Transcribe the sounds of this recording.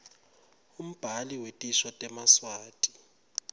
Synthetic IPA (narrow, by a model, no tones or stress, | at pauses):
um̩b̥ʱaliwetʼiʃwatʼɛmaswaːtʼi̥